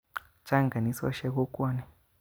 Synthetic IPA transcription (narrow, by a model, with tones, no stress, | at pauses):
t͡ʃa˦ŋɡa˨ni˦sɔ̰˦ʃɛ˦kɔ˦kʼɔ˦nɛ˨